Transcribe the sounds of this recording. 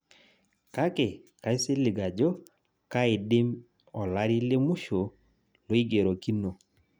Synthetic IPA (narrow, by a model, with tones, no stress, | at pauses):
ka˦ke˨ka˨ɪ˦sɪ˦li˨ɡa˨d͡ʒɔ˦ | ka˦ɪ˨dɪ˦m | ɔ˨la˦ɾi˦lɪ˦mu˦ʃo˨ | lo˦i˦ɡe˨ɾo˨ki˦no˨